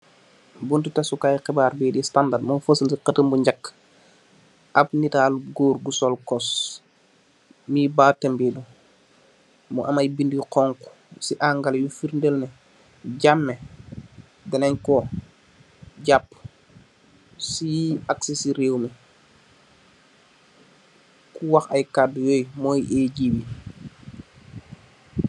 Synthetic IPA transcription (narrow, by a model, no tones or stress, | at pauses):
buntutɛsukajxɛbaːɾbiːdistandadmufəsəlsiqətəmbuɲɟakː | ʔɐp̚nitaːluɡoːɾɡusolkɔs | mibaːtɛmbidu | muʔɐmajbindiqɔŋku̥ | siʔaŋɡaljufiɾndelnɛ | ɟamːɛ | dɐnaɲkɔ | ɟapː | siaksesiɾeːwmɛ | kuwaxɐjkadjoːjmɔːjeɟiwi